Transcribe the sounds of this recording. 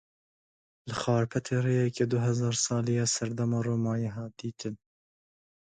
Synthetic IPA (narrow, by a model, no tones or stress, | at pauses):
lɨxɑːɾpʰɛt̪ʰeːreːjɛkeːd̪ʊɦɛzɑːɾsɑːlijɑːsɛɾd̪ɛmɑːroːmɑːjɛɦɑːd̪iːt̪ʰɨn